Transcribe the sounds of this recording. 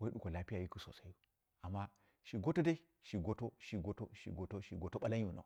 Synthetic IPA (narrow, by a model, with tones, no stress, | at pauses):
wa˦i˦ɗu˦ko˨la˦pi˦ja˨ji˦ku˦so̰˨sa˦u˦ | a˨mːa˦ | ʃi˨ɡo˦to˦da˦i˦ | ʃi˨ɡo˦to˦ʃi˨ɡo˦to˦ʃḭ˨ɡo˨˦to˦ʃi˨ɡo˦to˦ɓa˦la˦ɲ˦u˨no̰˨